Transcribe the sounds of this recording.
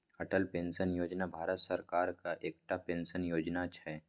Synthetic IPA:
ɐʈəlpẽːnʃənjoːd͡ʒnabʱaːɾət̪səɾkaːɾkaʔeːk̚ʈapẽːnsənjoːd͡ʒnat͡ʃʰɛː

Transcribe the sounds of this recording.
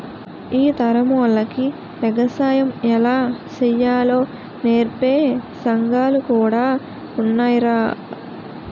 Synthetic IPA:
iːt̪ɐɾɐmulːɐki | ʋɛɡɐsaːjɐmɛlaːt͡ʃɛjaːlo̞ː | neːɾpeːsɐŋɡaːlukuːɽaː | unːaːjiɾaː

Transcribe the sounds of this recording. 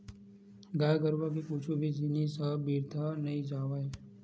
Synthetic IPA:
ɡaːjɡəɾʋak̬ikuːt͡ʃʰubʱid͡ʒinisəbiːɾt̪ʰanɐĩd͡ʒaːʋaːe

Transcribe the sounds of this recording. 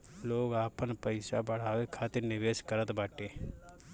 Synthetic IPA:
loːɡaːpənpəɪsabəɽ̤aːʋekʰaːt̪ɪɾnɪʋeːʃkəɾət̪baːʈeː

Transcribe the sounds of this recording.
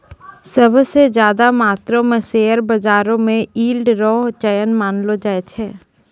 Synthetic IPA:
səbʱsezjaːd̪amaːt̪ɾõmẽseːəɾbɐd͡ʒaːɾõmẽiːlɖɾɔːɦt͡ʃəjənmaːnlod͡ʒaːet̪ʰɛː

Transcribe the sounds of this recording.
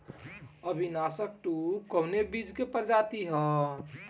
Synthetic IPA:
əbʱinasək̚ʈukəʊnebid͡ʒkepəɾd͡ʒat̪iɦɛ̃

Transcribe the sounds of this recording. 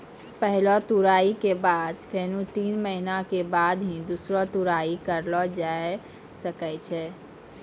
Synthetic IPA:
pəɦlɔt̪uɾaikebad̪pʰenũt̪inməɦinakebad̪ɦĩd̪usɾɔt̪uɾaikəɾlɔd͡ʒae | səkɛt͡ʃʰɛ

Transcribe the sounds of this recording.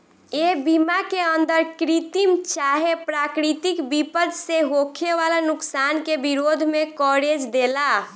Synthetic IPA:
ebimakeənd̪əɾkɾit̪imt͡ʃaɦepɾakɾit̪ikbipəd̪seɦokʰeʋalanʊksankebiɾod̪ʱmekɔɾed͡ʒd̪ela

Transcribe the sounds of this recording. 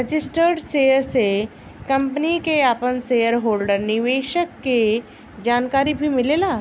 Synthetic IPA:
ɾəd͡ʒɪsʈəɾɖsejəɾse | kɐ̃mpənikeaːpənsejəɾɦoːlɖəɾnɪʋeːʃəkːe | d͡ʑaːnkaːɾibʱimɪlelaː

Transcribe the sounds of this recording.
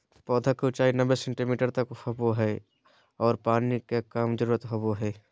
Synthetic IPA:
pɔːd̪ʱakeʊt͡ʃaːinɐbesẽɳʈimiːʈəɾt̪ɐkhoboɦɛː | ɔːɾpaːnikekaːmd͡ʒəɾuːɾət̪ɦoboɦɛː

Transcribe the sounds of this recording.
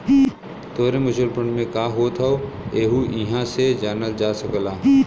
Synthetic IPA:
t̪oːɾemʊʃəlpəɳmẽkaːɦoːt̪ʰɦɛoeːɦuʔɪɦãsed͡ʒaːnəld͡ʒaːsəklaː

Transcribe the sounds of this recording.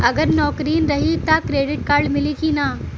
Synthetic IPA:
ɐɡəɾnɔːkɾiːnɾɐɦit̪akɾeːɖɪʈkaːɾɖmɪlikinaː

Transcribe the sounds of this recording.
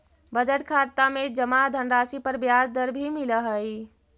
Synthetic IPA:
bəd͡ʒəʈkʰaɾt̪amed͡ʒəmad̪ʱənɾasipəɾbjad͡ʒd̪əɾbʱimiləɦəj

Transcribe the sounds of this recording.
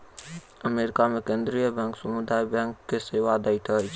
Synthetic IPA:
əmeɾɪkamẽkẽːnd̪ɾijəbɛ̃ŋksɐmud̪aːibɛ̃ːŋkk̪eseːʋad̪ɐit̪ʰɐi

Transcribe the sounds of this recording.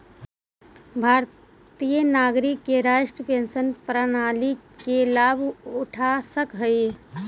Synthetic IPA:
bʱaːɾ | t̪ijənaːɡɾikːeɾaːʃʈɾəpensənpɾənaːlikelabʱuʈʰasəkɦəj

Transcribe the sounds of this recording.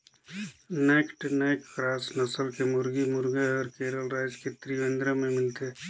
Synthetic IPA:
neːkʈneːkːɾaːsnəsəlkemʊɾɡimʊɾɡeɔːɾkeːɾəlɾaɪd͡ʒket̪ɾiʋẽnd̪ɾamẽmɪlt̪e

